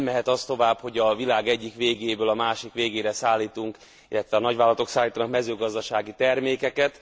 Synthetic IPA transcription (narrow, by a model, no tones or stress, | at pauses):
mːɛɦɛt̪ɒst̪o̞vaːbho̞ɟɒvilaːɡɛɟːikʋeːɡeːbøːlɒmaːʃikʋeːɡeːɾɛsaːlːiːt̪uŋk | ḭlːɛt̪ʋɛɒːnɒɟʋaːlɒt̪o̞ksaːlːiːt̪ɒnɒkmɛzøːɡɒzd̪ɒʃaːɡit̪ɛrmeːkɛkɛt̪